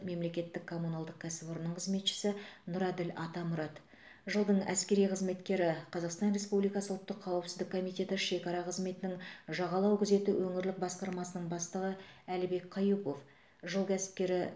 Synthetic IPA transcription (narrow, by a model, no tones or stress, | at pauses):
me̞mle̞kʲe̞t̪ːɪkʰːo̞munalˠd̪əq̚kʲʰæsɪpoɾnəɴqʰəzme̞t̪ʃɪ̥sɪnʊɾɑd̪ɪlɑt̪ɑmʊɾɑt̪ | ʒəlˠd̪əɴæ̰skʲe̞ɾijqʰəzme̞t̪kʲe̞ɾɪqʰɑzɑqst̪ɑnre̞spublijkɑsəʊlˠt̪ːəqʰːɑwpsɪzd̪ɪkʰːo̞mijt̪ʲe̞t̪ɪʃe̞kɑɾɑqʰəzme̞t̪ɪnɪŋʒɑʁɑlˠɑwkʲʰʏze̞t̪ɪwʔɵŋɪɾlɪk̚bɑsqɑɾmɑsənəɴbɑst̪əʁəælɪbe̞kqʰɑjupo̞f | ʒəlˠkʲæsɪ̥p̚kʲe̞ɾɪ